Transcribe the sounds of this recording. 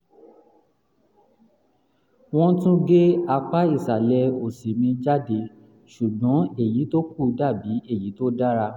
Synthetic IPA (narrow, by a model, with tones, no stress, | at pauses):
w̃ɔ̃˦tũ˦ɡe˦a˧k͡pa˦i˦˨sa˨lɛ˧o˨si˨mĩ˧d͡ʒa˦de˧ | ʃu˨ɡ͡bɔ̃˨˦e˦˨ji˨˦to˦k̚u˦˨da˦˨bi˨˦e˦˨ji˨˦to˦da˦ɾa˧